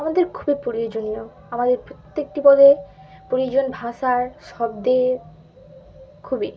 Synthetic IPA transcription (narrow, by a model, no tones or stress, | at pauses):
amad̪eɾkʰubipɾoɾiod͡ʑonio | amad̪eɾpɾot̪ːek̚ʈibɔd̪e | pɾoɾijod͡ʑonbʱaʃaɾʃɔb̚d̪e | kʰubi